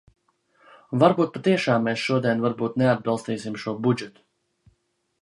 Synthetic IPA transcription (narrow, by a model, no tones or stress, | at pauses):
vaɾbuːt̪̚pat̪iɛʃaːmːɛːsʃuɔd̪iɛnvaɾbuːt̪nead̪̚bɑlˠst̪iːsimʃuɔbud͡ʒɛt̪u̥